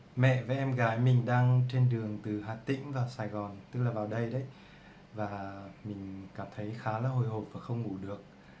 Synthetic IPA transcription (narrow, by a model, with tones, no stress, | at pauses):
mɛ̰˧˨va˨˩ʔɛ˧mɣaː˨˦jmï˨˩ŋ̟ɗaː˧ŋt͡ɕe˧nɗɨ˨˩əŋt̪ɨ˨˩ɦaː˨˩t̪ḭ̈˧˥ŋ̟vaː˨˩saː˨˩jɣɔ˨˩nt̪ɨ˦˥k̚laː˨˩vaː˨˩wɗə˧jɗə˨˦j | vaː˨˩mï˨˩ŋ̟kaː˧˩mt̪ʰə˨˦jxaː˨˦laː˨˩ɦo˧˩jɦo˨˩p̚vaː˨˩xə˧wŋ͡mŋu˧˩ɗɨ˨˩ək̚